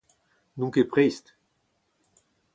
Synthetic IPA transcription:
nuŋkepʁejst̪

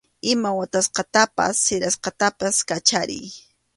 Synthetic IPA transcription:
ɪmawat̪asqɑt̪apa̰sːɪɾasqɑt̪apaskat͡ʃaɾɪ̰j

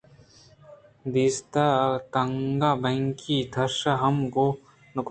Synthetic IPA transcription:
d̪ist̪at̪ɐŋɡabɐ̃ŋkid̪ʱɐɾʃaɦɐmko | nʊk

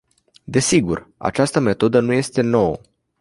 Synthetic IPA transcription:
d̪e̞siɡura̰t͡ʃast̪əme̞t̪o̞d̪ənuje̞st̪e̞no̞wə̰

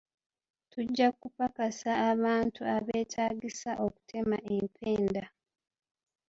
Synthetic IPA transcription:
tuɟːakːupakasaːβaːntʰuaβe̞ːtʰaːɟisaʔo̞ku̥tʰe̞maʔe̞mpʰe̞ːnda

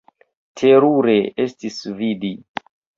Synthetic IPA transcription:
tʰeɾuɾeestisvidi

